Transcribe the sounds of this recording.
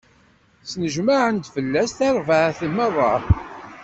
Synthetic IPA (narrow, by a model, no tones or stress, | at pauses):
snəʒmaʕənt̪fəlːæsθæɾˤvəʕθəmːərˤːɑ